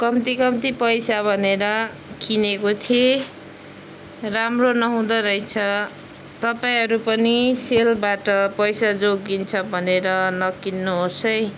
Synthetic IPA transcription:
kʌmt̪ikʌmt̪ipʌjsabʱʌneɾʌ | kinekot̪ʰie | ramronʌɦũd̪ʌɾʌjt͡sʰʌ | t̪ʌpaĩɦʌɾupʌniselbaʈʌpʌjsad͡zoɡint͡sʰʌbʱʌneɾʌnʌkinːoɦosʌj

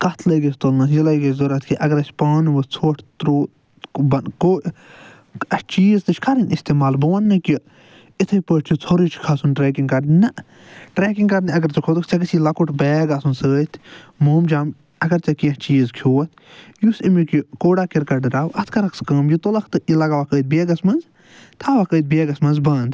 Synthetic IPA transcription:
kɐt̪ʰlɐjɡɐsʰʲt̪olnɐjilɐjɡɐzoɾɐt̪ʰʲkʰiʔɐɡɐɾɐsʲpaːnʋɨt͡sʰoːʈʰt̪ɾoː | bɐnkoː | ɐt͡ʃiːzt̪ɨt͡ʃʰʲkʰɐɾɐnʲist̪eːmaːlbɐʋɐnːɨkʲi | it̪ʰɨjpəːʈt͡ʃʰit͡sʰoɾit͡ʃʰkʰɐsunʈɾeːkiŋkɐɾnnɐ | ʈɾeːkiŋɡkɐɾniɐɡɐɾt͡ʃɐkʰot̪ukʰt͡ʃɐkɐsilɐkuʈbeːɡasunsəːt̪ʰmoːmd͡ʒaːm | ɐɡɐɾt͡ʃɐkiɐt͡ʃiːzkʰjoːɐt̪ʰjusimikikoːɖaːkiɾkɐʈɾaːwɐt̪ʰkɐɾɐkskəːmjit̪olɐkʰt̪ɨilɐɡaʋakəːd̪̚beːɡɐsmɐnz | t̪ʰaːʋakəːjd̪̚beːɡɐsmɐnzbɐːnd̪

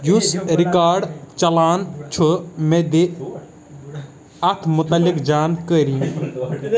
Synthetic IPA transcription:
jusɾikaːɾɖt͡ʃɐlaːnt͡ʃʰomed̪e | ɐt̪ʰmʊt̪ɐlːikd͡ʒaːnkəɾĩ

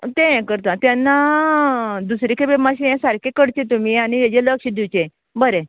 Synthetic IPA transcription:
t̪ẽɛ̃kəɾt̪ãt̪janːa | d̪usɾikʰebemaɕiɛ̃saɾkʰekəɽt͡ɕẽt̪̬umiaɽ̃ied͡ʑeləkɕid̪iwt͡ɕẽ | bəɾẽ

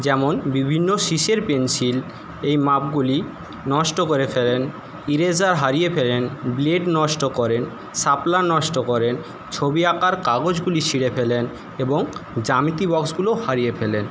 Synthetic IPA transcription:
d͡ʑɛmonbibʱinːoʃiʃeɾpensil | ejmap̚ɡuli | nɔʃʈokoɾefelen | iɾed͡ʑaɾɦaɾijepʰelenbleɖnɔʃʈokɔɾen | saplanɔʃʈokɔɾen | t͡ɕʰobiakaɾkaɡod͡ʑɡulit͡ɕʰiɽepʰelen | eboŋd͡ʑamit̪ibɔksɡulohaɾijefʰelen

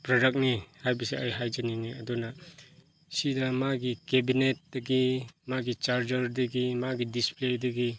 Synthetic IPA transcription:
pɾɔdak̚nihajbisiajɦajd͡ʒaniŋiɐduna | sidɐmaɡikebinet̚d̥ɐɡimaɡit͡ʃaɾd͡ʒɐɾdɐɡimaɡidispledɐɡi

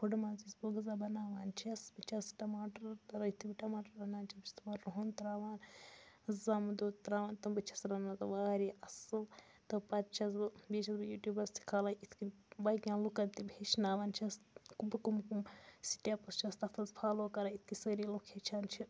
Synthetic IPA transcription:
pʰuɖmaːzisboɡɐzabɐnaːʋaːnt͡ʃʰiɐsbit͡ʃʰasi̥ʈɐmaːʈɐɾt̪ɐɾɐit̪ʰibiʈɐmaːʈɐɾɐnaːnt͡ʃɐbt͡ʃʰi̥t̪mɐɾɾuɦont̪ɾaːʋaːn | zamd̪ut̪ɾaːʋaːnt̪ɐmbɐt͡ʃʰɐsɾɐnmɐzɐʋaːɾiɐsɨ | t̪ɐpɐɾt͡ʃʰɐzbiːt͡ʃʰɐsbɐjuːʈʲjuːbɐɾsʰi̥kʰaːlɐit̪ʰkibɐkʲãːnlukɐnt̪ibʱeːt͡ʃnaːʋaːnt͡ʃʰiɐskubkumkumsi̥ʈʲjapɐst͡ʃʰiɐst̪ɐt̪ɐzpʰaːloːkɐɾait̪ʰkisəɾiːlokʰet͡ʃʰaːnt͡ʃʰi

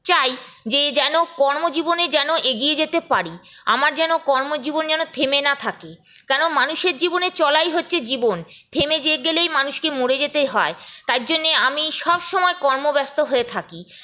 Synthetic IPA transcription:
t͡ɕaj | d͡ʑed͡ʑɛnokɔɾmod͡ʑiboned͡ʑɛnoʔeɡied͡ʑet̪epaɾi | a̰maɾd͡ʑɛnokɔɾmod͡ʑibond͡ʑɛnot̪ʰemenat̪ʰake | kɛnomanuʃeɾd͡ʑibonet͡ɕɔlajɦotːɕʰed͡ʑibont̪ʰemed͡ʑeɡelejmanuʃkemoɽed͡ʑet̪eɦɔet̪aɾd͡ʑonːeamiʃɔbʃɔmɔekɔɾmobɛst̪oɦoet̪ʰaki

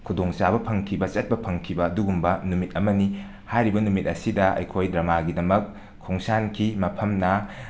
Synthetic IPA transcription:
kʰudoŋt͡ʃabɐpʰɐŋkʰibɐt͡ʃɐt̚pɐpʰɐŋkʰibɐːduɡumbɐnumit̚ɐmɐni | hajɾibɐnumit̚ɐsidɐʔɐ̰jkʰojdɾɐmaɡidɐmɐkʰː | oŋsankʰimɐpʰɐmnɐ

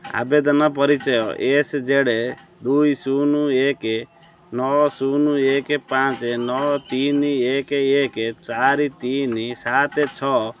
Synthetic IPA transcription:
a̰bed̪ɔnɔp̬ɔɾit͡ʃɔjɔʔesd͡ʒeɽe | d̪ujsunueke | nɔsunuekepãt͡ʃenɔt̪iniekeeket͡ʃaɾit̪inisat̪et͡ʃʰɔ

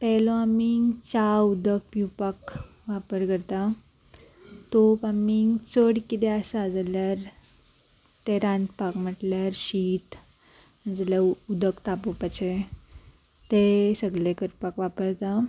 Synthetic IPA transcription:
pɛloamit͡ɕaud̪ək̚pjupak | ʋapəɾkəɾt̪a | t̪opamiŋt͡səɽkit̪eəsad͡zaljaɾ | t̪eɾãnt̪pakm̤əʈljaɾɕit̪ | d͡zlaud̪əkt̪apopat͡ɕʰe | t̪esəɡlekəɾpakʋapəɾt̪a

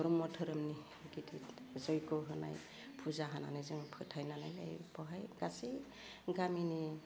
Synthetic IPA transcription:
ɔɾumɔtʰɯɾɯmni | ɡiti | zɔjkɔɦɯna̰j | pʰuzaɦana̰nazɯŋpʰɯtʰajnanajna̰jbɔɦajɡ̥asi | ɡamini

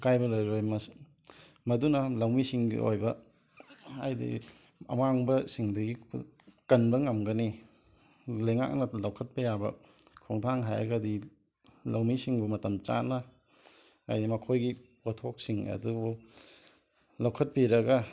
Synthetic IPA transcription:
kajbɐlojɾojmɐ | mɐdunɐlɐwmisiŋɡḭʔo̰jbɐ | a̰jdḭ | ɐ̰maŋbɐsiŋdɐɡi | kɐnbɐŋɐmɡɐni | lɐjŋa̰k̚nɐlɐwkʰɐt̚pɐjabɐ̰ | kʰoŋtʰaŋɦajɐ̰ɡɐdi | lawmisiŋbɐmɐtɐmt͡ʃa̰nɐ | a̰jdimɐkʰojɡipɐtʰok̚siŋɐ̰dubu | lɐwkʰɐt̚piɾɐɡɐ

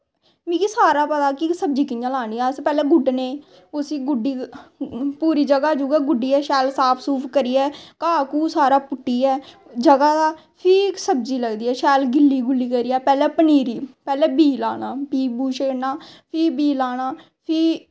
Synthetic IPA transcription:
mĩːkisaːɾaːpət̪aːkisəb̚d͡ʒiːkɪjãːlaːniːaːspɛːlɛːɡʊɖneː | ʊsĩːɡʊɖiː | puːɾiːd͡ʒəɡaːd͡ʒuːɡɛːɡʊɖiːɛːʃɛːlsaːpʰsuːpʰkəɾiːɛːkaːkuːsaːɾaːpʊʈːiːɛː | d͡ʒəɡaːd̪aː | pʰɪsəb̚d͡ʒiːləɡd̪iːɛːʃɛːlɡɪlːiːɡʊlːiːkəɾiːɛːpɛːlɛːpəniːɾiːpɛːlɛːbiːlaːnaːpiːbuːʃeːnaːpʰɪːbiːlaːnaː | pʰɪː

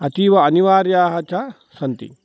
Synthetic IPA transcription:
ɐt̪iːʋɐɐniʋaːɾjaːɦɐt͡ʃɐ | sɐnt̪ḭ

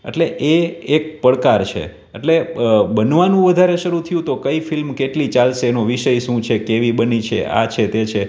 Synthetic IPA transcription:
ḛʈleʔeːk̚pəɭkaɾt͡ʃʰḛ | ḛʈlebənʋanũʋəd̪ʱaɾeʃəɾut̪ʰəjũt̪okəifilmkeʈlit͡ʃalʃeːnoʋiʃəjʃũt͡ʃʰekeʋibənit͡ʃʰḛa̰t͡ʃʰet̪et͡ʃʰe

